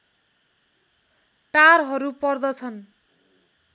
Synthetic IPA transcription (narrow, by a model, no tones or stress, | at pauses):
ʈarɦʌɾupʌrd̪ʌt͡sʰʌn